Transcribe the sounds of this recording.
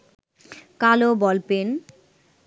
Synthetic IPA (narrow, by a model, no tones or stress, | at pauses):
kalobɔlpen